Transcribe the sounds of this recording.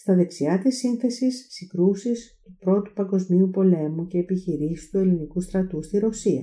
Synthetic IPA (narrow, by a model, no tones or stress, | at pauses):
st̪ɐðe̞ksiɐt̪isinθe̞sisːiɡɾusist̪upɾo̞t̪u̥pɐŋɡo̞zmiupo̞le̞muce̞ːpiçiɾisi̥st̪ue̞linikust̪ɾɐt̪ust̪iɾo̞siɐ̰